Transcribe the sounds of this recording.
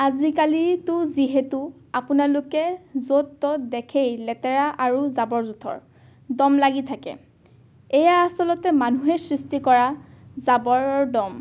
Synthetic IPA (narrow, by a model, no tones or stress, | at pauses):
azikalitʊziɦetu | apunalʊkɛzotːɔdɛkʰejlɛtɛɹaʔaɹuzabɔɹzutʰɔ̰ɹ | dɔmlaɡitʰakɛ̰ | ɛjaːsɔlɔtɛmanuɦɛsɹistikɔɹazabɔɹɔdɔm